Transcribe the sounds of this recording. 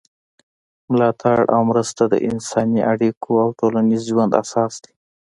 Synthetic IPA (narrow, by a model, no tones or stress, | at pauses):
mʊlɑt̪ʰaɽʔa̰wmɾəst̪ad̪ə̰ʔɪnsɑniʔaɽikʰoawʈolanizʒwand̪a̰sɑsd̪̥e